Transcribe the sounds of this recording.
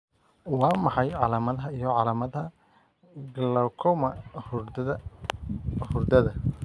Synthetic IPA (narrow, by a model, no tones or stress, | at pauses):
wɑːmɑħɑjʕɑlaːmɐðɐɦɐijɞʕɑlaːmɐðɦɐ | ɡlɐwkʰɔmɐh | hʊrd̪ɐðɐ